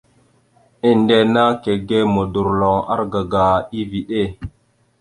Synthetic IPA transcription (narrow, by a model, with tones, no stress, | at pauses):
i˦nde˦na˦ke˨ɡe˦mo˨du˨ɾlo˨ŋa̰˦ɾɡa˨ɡa˨i˦vi˨ɗe˦˨